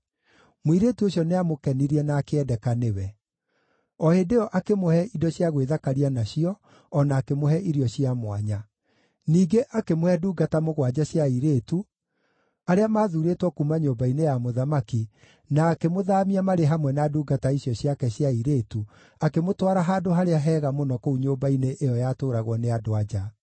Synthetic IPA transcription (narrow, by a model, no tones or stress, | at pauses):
moiɾeːtuoɕjɔneamokɛniɾiɛnaːkeɛdɛkanewɛ | ɔhedeɔʔakemohɛidɔɕjaɣweðakaɾianaɕiɔː | naːkemohɛʔiɾjɔɕiamwaɲa | niːɡeʔakemohɛduːɡatamoɣwad͡ʑaɕjaiɾetu | aɾeamaːðuːɾetwɔkumaɲoːmbainejamoðamaki | naːkemoðaːmiamaɾeɦamwɛnaduːɡataiɕjɔɕjakɛɕjaiɾeːtu | akemotwaɾaɦaːdoɦaɾeaɦɛːɣamonɔkouɲoːmbaineʔejɔjatoːɾaɣwɔneadoad͡ʑa